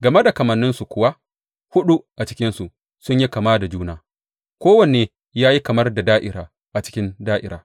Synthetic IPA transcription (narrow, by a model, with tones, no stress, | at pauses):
ɡɐ˨me˦da˨kɐ˨mɐ˨nːɪ˦nsu˨kʷʊ˦wa˦ʔ | hʊ˦ɗu˦ʔa˨t͡ʃɪ̥˦kʲɪ˦nsu˨ | sʊ˦ɲji˦kɐ˨maː˦da˨d͡ʒuː˦naː˨ | kʷoː˦wɐ˨neː˨ | jaː˦ji˦kɐ˨mɐ˦rda˨daː˦ʔɪ˨ɾaː˨ | ʔa˨t͡ʃɪ̥˦kʲɪ˦ndaː˦ʔɪ̰˦ɾaː˨